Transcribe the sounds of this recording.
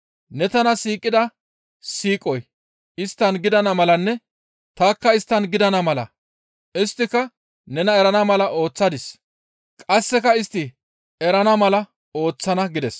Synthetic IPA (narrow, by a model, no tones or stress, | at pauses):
nɛt̪ɐnɐsiːkʼːɪd̪ɐ | siːkʼɔj | ɪst̪ːɐnɡɪd̪ɐnɐmɐlɐnːɛ | t̪aːkːɐɪst̪ːɐnɡɪd̪ɐnɐmɐlɐ̰ | ɪst̪ːɪkɐ | nɛnɐɛɾɐnɐmɐlɐʔo̞ːt͡sːɐd̪ɪs | kʼɐsːɛkɐɪst̪ːɪ | ɛɾɐnɐmɐlɐ | o̞ːt͡sːɐnɐɡɪd̪ɛs